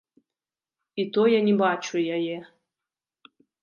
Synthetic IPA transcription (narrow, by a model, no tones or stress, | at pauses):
itʰojanʲibat͡ʃʰɨjaje